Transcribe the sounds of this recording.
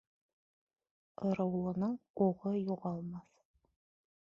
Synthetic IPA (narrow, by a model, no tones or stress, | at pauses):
ɤ̆ɾɤ̆wlˠɤ̆nɤɴuʁɤjuʁɑlˠmɑθ